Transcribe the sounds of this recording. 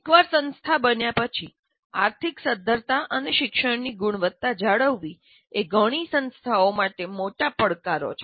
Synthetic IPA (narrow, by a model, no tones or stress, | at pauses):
ekʋaɾsə̃nst̪ʰabənjapət͡ʃʰi | aɾt̪ʰiksəd̪ʱəɾt̪aʔəneʃɪkʃəɽniɡuɳ̃ʋət̪ːad͡ʒaɽəʋːi | eɡʱəɽ̃isə̃nst̪ʰaomaʈemoʈapəɭkaɾo̰t͡ʃʰe